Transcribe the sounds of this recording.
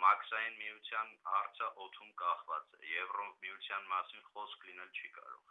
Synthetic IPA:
mɑkʰsɑjinmijut͡sʰjɑnɑɾt͡sʰəʔɔt̪ʰumkɑχvɑt͡sɛ̰jɛvrɔmijut͡sʰjɑnmɑsinχɔskʰlinɛlt͡ʃʰikɑ̰ɾɔ̰ʁ

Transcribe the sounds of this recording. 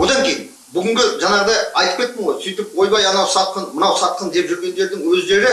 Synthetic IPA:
wo̞d̪ɑŋkʲʰejɪn | bʏɡʲɪŋɡʲɪʒɑnɑʁəd̪ɑjɑjt̪əpkʲe̞t̪̚ːɪɴʁojsijt̪ɪp̚wo̞jbɑjɑnɑwsɑt̪̚qənmənɑwsɑt̪̚qənd̪e̞pʒʏɾɡʲe̞nd̪e̞ɾd̪ɪŋwɵzd̪e̞ɾɪ

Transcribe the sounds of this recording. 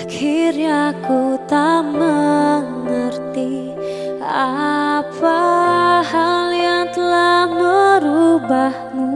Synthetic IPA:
kʰiɾjakut̪aməŋərt̪i | apahaljaŋt̪əlahməɾubahmu

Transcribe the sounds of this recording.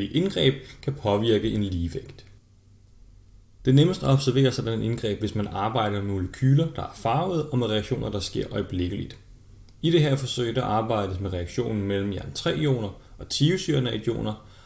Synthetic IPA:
iʔe̝nɡ̥ʁɛ̰ːb̥̚kʰæpʰɒ̽ʋiɐɡ̥əʔe̝nliːʋeɡ̥d̥ | d̥e̝neməsd̥ɒ̽b̥sæɐʋe̝̰ːɐsɒd̥ænnʔe̝nɡ̥ʁɛ̰ːb̥ʋe̝smænɑ̈ːb̥ɑ̈ɪ̰ɾ̥ɐmmemo̝ləkʰyːlɐd̥ɑ̈æɐfɑ̈ʊð̞̩ˠɒ̽meʁɛɑɡ̥ɕo̝̰ːnɐd̥ɑ̈sɡ̥e̝ɐ̰ʔɒ̽ɪb̥le̝ɡ̥əlid̥ | id̥e̝ɦæɐ̰fɒ̽sø̰ɪ̰d̥ɑ̈ʔɑ̈ːb̥ɑ̈ɪ̰d̥əs̬meʁɛɑ̈ɡ̥ɕo̝̰ːn̩mel̰m̩jæɐnət͡sʰʁɛ̰̥ːjo̝̰ːnɐɒ̽t͡sʰiːusyɐnæɪd̥jo̝̰ːnɐ

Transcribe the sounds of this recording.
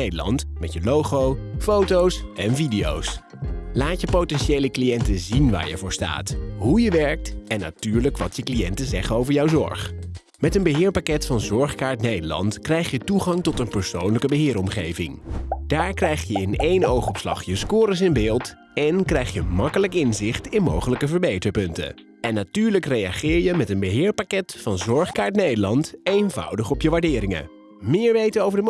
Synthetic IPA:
ejdəlɑ̰ntmɛtjəlowχowfowtowsɛnvidijo̰ws | laːtjəpowtɛnʃejləklijɛntəzinʋa̰ːɹjə̰vʊːɹsta̰ːtɦujəʋɛɹk̚tɛnːa̰tyːɹləkʋɑtjəklijɛntəzɛχənowvəɹjɑwzɔ̰ɹχ | mɛtənbəɦɪːɹpakɛtfɑnzɔɹχkaːɹtnejdəlɑ̰ntkrɛjχjətuχɑŋtɔtənpəɹsownləkəbəɦɪːɾɔmχejvɪ̰ŋd̥aːɹkrɛjχjəɪnejnowχɔpslɑ̰χjəskʊːɾəs̬ɪnbɪːlˠt | ɛnkrɛjχjəmɑkələkɪnzɪχtɪnmowχələkəvəɹbejtəɹpɵntə̰ | ɛnːatyːɹləkrejɑχɪːɹjəmɛtənbəɦɪːɹpakɛtfɑnzɔɹχkaːɹtnejdəlɑntejnvɑ̰wdəχɔpjəʋaɹdɪːɾɪŋə̰ | mɪːɹʋejtənowvəɹdəm

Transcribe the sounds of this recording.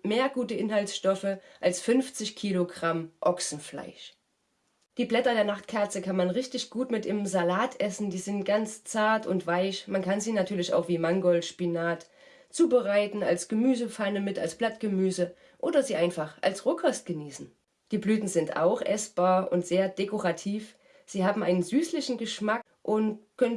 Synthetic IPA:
meːɐɡuːtəʔɪnɦaltsʃtɔfəʔalsfʏnft͡sɪçkʰiːloɡʁamʔɔksn̩fla̰ɪʃ | d̥iːblɛtɐdeːɐnaχtkʰɛɐt͡səkʰanmanʁɪçtɪçɡ̥uːtmɪtʔimzalaːtʰʔɛsn̩diːzɪntɡ̥ant͡st͡saɐtʊntv̥aɪçmankʰanziːnatʰyːɐlɪça̰ʊxv̥iːmaŋɡɔlʃpinaːt | t͡suːbəʁaɪtn̩alsɡ̥əmyːzəfaːnəmɪta̰lsb̥latɡ̥əmyːzə | ʔoːdɐziːʔaɪnfaχʔa̰lsʁokʰɔst̚ɡ̥əniːsn̩ | d̥iːblyːtn̩zɪntʔa̰ʊxʔɛsb̥aːɐʔʊ̰ntz̥eːɐd̥ekʰoʁatʰiːf | z̥iːhaːbm̩ʔaɪnənzyːslɪçn̩ɡəʃmak | ʔʊntkʰœn

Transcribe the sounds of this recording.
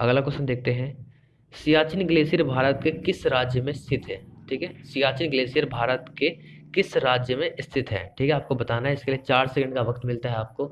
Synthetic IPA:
ɐ̰ɡlakʊsənd̪eːk̚t̪eɦɛ̃ | sijaːt͡ʃɪnɡleːsijəɾbʱaːɾət̪̚kekɪsɾaːd͡ʒjəmẽɪst̪ʰɪt̪ɦɛːʈʰiːkɦɛsijaːt͡ʃɪnɡleːsijəɾbʱaːɾət̪ke | kɪsɾaːd͡ʒjəmẽʔɪst̪ʰɪt̪ɦɛ̰ːʈʰiːkɦɛaːp̚kobɐt̪aːnaɦɛɪskeliet͡ʃaːɾsɛkə̃ɳɖkaʋɐkt̪mɪlt̪aɦɛaːp̚ko

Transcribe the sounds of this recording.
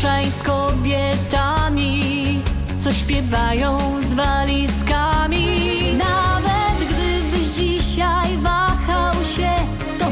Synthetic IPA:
ɛj̃skɔbʲjɛ | t̪amʲi | t̪sɔɕpʲjɛvajɔ̃w̃ | zvalʲiskamʲi | navɛt̪ɡd̪ɪbɨʑd͡ʑiɕajvaxawɕɛ | t̪ɔ

